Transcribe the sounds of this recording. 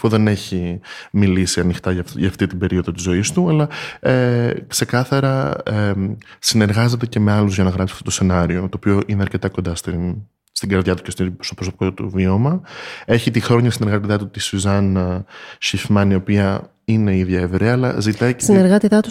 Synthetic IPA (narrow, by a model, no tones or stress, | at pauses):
ɐfoðe̞ne̞çimilisiɐnixt̪ɐɐʝɐft̪it̪ibe̞ɾio̞ðot̪izo̞ist̪uɐlɐekse̞kɐθɐɾɐesine̞ɾɣɐze̞t̪e̞ce̞me̞ɐluzʝɐnɐɣɾɐpsi̥ɐft̪ot̪ose̞nɐɾio̞t̪oːpio̞ʔineɐɾce̞t̪ɐko̞nd̪ɐst̪in | st̪iŋɡɐɾðʝɐt̪u̥cest̪ipsopɾoso̞pi̥kot̪t̪uvio̞mɐe̞çit̪ixɾo̞ɲɐsine̞ɾɣɐt̪it̪ɐt̪ut̪isuzɐn | ʃifmɐnio̞piɐ | ine̞iðʝɐevɾeɐːlɐ̰zit̪ɐisineɾɣɐt̪it̪ɐt̪u